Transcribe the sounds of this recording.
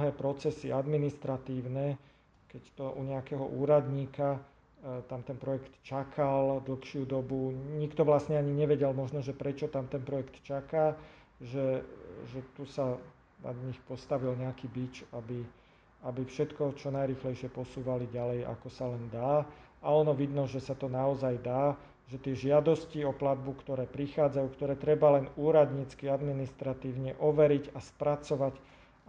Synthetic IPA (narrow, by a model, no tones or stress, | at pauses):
ɦɛːpɾɔt͡sɛsiad̪minist̪ɾat̪iːʊnɛ | kɛct̪ɔʔuɲɛakɛɦɔ̰ʔuːɾad̪ɲiːka | t̪amt̪ɛnpɾɔjɛkt̪t͡ʃakʰald̪l̩xʃɪud̪ɔbuɲikt̪ɔʋlasɲɛaɲiɲɛʋɛɟɛlmɔʒnɔʒɛpɾɛt͡ʃɔt̪amt̪ɛnpɾɔjɛkt̪t͡ʃakaː | ʒɛʒɛt̪usa | na̰d̪ɲixpɔst̪aʋilɲɛakiːbit͡ʃabi | abifʃɛt̪kɔt͡ʃɔnajɾiːxlɛjʃɪɛpɔsuːʋaliɟalɛja̰kɔsalɛnd̪aːaɔnɔʋid̪nɔʒɛsat̪ɔnaɔzajd̪aː | ʒɛt̪ɪɛʒɪad̪ɔsciɔplad̪̚bukt̪ɔɾɛːpɾixaːd͡zajuːkt̪ɔɾɛːt̪ɾɛbalɛnuːɾad̪ɲit͡skiad̪minist̪ɾat̪iːʊɲɛʔɔʋɛɾiɟaspɾat͡sɔʋac